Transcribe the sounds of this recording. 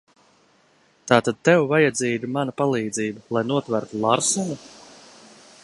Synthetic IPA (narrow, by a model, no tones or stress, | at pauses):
t̪aːt̪ad̪̚t̪ːewvajad̪ziːɡumanapalˠiːd̪ziːbalˠajnuɔt̪væɾt̪ulˠaɾsɔnu